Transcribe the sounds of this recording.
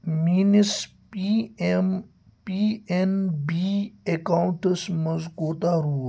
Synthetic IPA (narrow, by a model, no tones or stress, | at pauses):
miːnis | m | piːenbiekawɳʈsmɐzkoːt̪aːɾuː